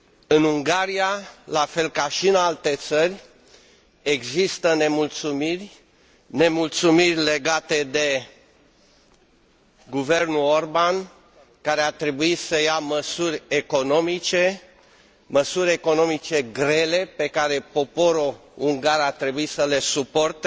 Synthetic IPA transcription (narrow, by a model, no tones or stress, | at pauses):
ɨnuŋɡaɾijalafe̞lkaʃiɨnalt̪e̞t̪sərʲ | e̞ɡzist̪əne̞mult̪sumirʲ | ne̞mult̪sumirʲle̞ɡat̪e̞d̪e̞ | ɡuve̞rnulorban | kaɾeat̪ɾe̞buisəjaməsurʲeko̞no̞mit͡ʃe̞ | məsuɾʲe̞ko̞no̞mit͡ʃe̞ɡɾe̞le̞pe̞kaɾe̞po̞po̞ɾouŋɡaɾat̪ɾe̞buisəle̞supo̞rt̪e